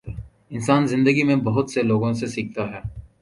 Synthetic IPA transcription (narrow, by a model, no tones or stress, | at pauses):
ɪnsaːnzɪ̃nd̪əɡimẽbɐɦʊt̪seloːɡõsesiːk̚t̪aɦɛː